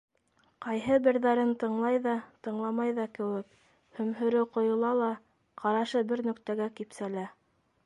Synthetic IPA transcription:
qɑjɦɤbɘ̆ɾðæɾɘnt̪ɤ̆ɴlˠɑjðɑt̪ɤ̆ɴlˠɑmɑjðɑkɘ̆wɘk̚ | hɵ̆mɦɵ̆ɾɘqŏjŏlˠɑlˠɑ | qʰɑɾɑʃɤbɘɾnɵ̆kt̪æɡækipsælæ

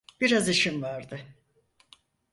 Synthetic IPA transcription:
b̥iɾazɯʃimvaɾd̪ɯ

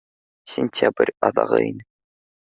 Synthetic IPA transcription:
sʲɪnʲtʲabrʲɑðɑ̰ʁɤ̰ḭnɘ

